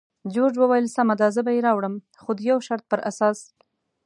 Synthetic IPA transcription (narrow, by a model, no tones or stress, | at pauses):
d͡ʒod͡ʒwəwajəlsamad̪azəbajeɾɑwɽəm | xod̪əjawʃaɾt̪̚pəɾʔasɑs